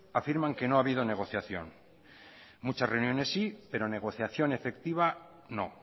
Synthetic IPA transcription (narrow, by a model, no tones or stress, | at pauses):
afiɾmaŋke̞no̞aβ̞ið̞o̞ne̞ɣ̞o̞θjaθjo̞̰ŋ | mut͡ʃasre̞unjo̞ne̞sːipe̞ɾo̞ne̞ɣ̞o̞θjaθjo̞ne̞fe̞kt̪iβ̞a | no̞̰